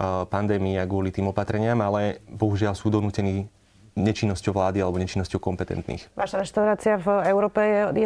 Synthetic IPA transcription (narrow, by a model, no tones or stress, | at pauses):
pand̪ɛːmiːaɡʊɔlit̪iːmɔpat̪ɾɛɲɪamalɛbɔɦuʒɪalsuːd̪ɔnuːcɛniː | ɲɛt͡ʃinːɔscɔʊʋlaːd̪ialɛbɔɲɛt͡ʃinːɔscɔʊkɔmpɛt̪ɛ̰nt̪nḭːxʋaʃaɾɛʃt̪aʊɾaːt͡siavɛʊɾɔːpɛɛjɛ